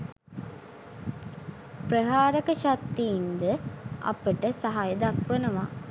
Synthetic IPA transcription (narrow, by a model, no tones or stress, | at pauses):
prəɦaːɾəkəʃat̪ːiːnd̪əɐ̰pəʈəsaɦajəd̪akʋənəʋa